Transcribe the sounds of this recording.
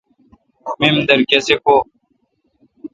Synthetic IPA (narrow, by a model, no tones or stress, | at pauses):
mimd̪əɾkesekoː